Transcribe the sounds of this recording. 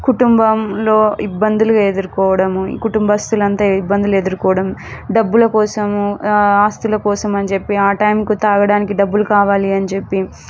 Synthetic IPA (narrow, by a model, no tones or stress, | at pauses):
kuʈumbɐmlo̞ːibːɐnd̪ulued̪uɾukɔːʋɐɽɐmuḭːkuʈumbɐst̪ulɐnt̪aːibːɐnd̪ulued̪uɾukɔːʋɐɽɐmɖɐbːulɐkɔːsɐmuaːst̪ulɐkɔːsɐmɐnt͡ʃe̞pːiaːʈɐjmkut̪aːɡɐɽaːnikiɖɐbːulukaːʋaːliɐnit͡ʃepːi